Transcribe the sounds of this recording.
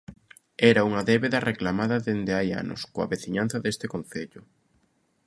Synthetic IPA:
ɛɾɐuŋɐðɛβeðɐreklamaðɐðend̪eaja̰nʊ̰skoɐ̰βeθiɲan̟θɐðest̪ɪkonθeʎʊ

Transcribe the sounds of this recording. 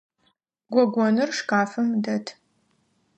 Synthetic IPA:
ɡʷɔɡʷɔnɨrʂkaːfɐmdɐtʰ

